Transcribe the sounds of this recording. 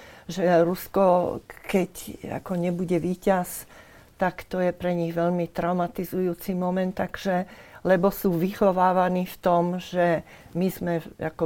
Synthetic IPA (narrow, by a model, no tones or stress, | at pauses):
ʒɛɾuskɔkɛca̰kɔɲɛbuɟɛʋiːcas | t̪akt̪ɔjɛpɾɛɲiɣʋɛʎmit̪ɾaʊmat̪izujuːt͡simɔmɛnt̪ːaɡ̥ʒ̥ɛlɛbɔsuːʋixɔʋaːʋaniːft̪ɔmʒ̥ɛ | mizmɛa̰kɔ